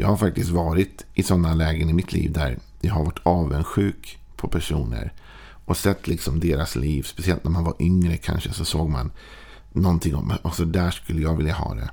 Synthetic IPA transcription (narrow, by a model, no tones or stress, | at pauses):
jɑ̰ːɡhaɾfak̚t̪ɪst̪vɑːɾɪt̪ʔɪsɔnːalɛːɡənɪmɪt̪ʰlḭːvd̪æ̰ɾ | jɑɦaɾvaʈʰːɑːvənɧʉ̟ːk | pʰɔpʰæʂuːnə̰ɾ | ɔsɛt̪ːlɪksɔmd̪eːɾasliːvspɛsɪɛlt̪næɾmanvaɾʔʏŋɾəkʰa̰nʂəsɔsoːɡ̚ma̰nː | ɔnt̪ʰɪŋːɔ̰masɔd̪æʂkɵlːəjaːɡvɪljaɦɑ̰ːd̪ɛ̰